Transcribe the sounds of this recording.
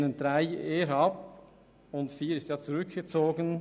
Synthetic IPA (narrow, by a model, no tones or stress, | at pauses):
nənd̥ɾaɪeːɾɑp | ʊntfiːɾɪstjɑːt͡suɾʏkɡ̥ət͡soːɡən